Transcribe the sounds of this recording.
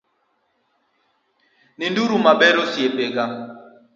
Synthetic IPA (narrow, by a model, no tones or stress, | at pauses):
ninduɾumabɛɾosjepeɡa